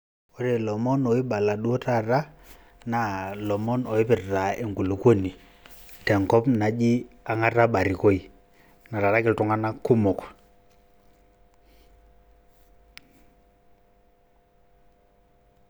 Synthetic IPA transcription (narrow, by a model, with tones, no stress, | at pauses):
o˦ɾe˨lɔ˨mɔ˦no˨wi˦ɓa˨la˨ɗu˦o˦ta˦˨ɾa˦ | na˦lɔ˨mɔ˦no˨wɪ˦pɪ˨ɾɾa˨e˨ŋɡu˨lu˨kwo˦ni˨ | tɛ˨ŋkɔ˦pna˨d͡ʒi˦a˨ŋa˦ɾa˦ɓa˨ɾi˨ko˦i˨ | na˨ɾa˨ɾa˦kɪ˨ltu˨˦ŋa˦na˦kːu˦mɔ˨k